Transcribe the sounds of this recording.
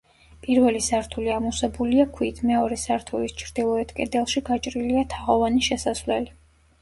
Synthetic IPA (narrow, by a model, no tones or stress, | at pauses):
pʼiɾvɛlisaɾt̪ʰuliamusɛbuliakʰwiːt̪ʰmɛɔɾɛsaɾt̪ʰulist͡ʃʰɾd̪̥ilˠɔɛt̪ʰkʼɛ̰d̪ɛlˠʃiɡat͡ʃʼɾiliat̪ʰaʁɔvaniʃɛsasvlɛli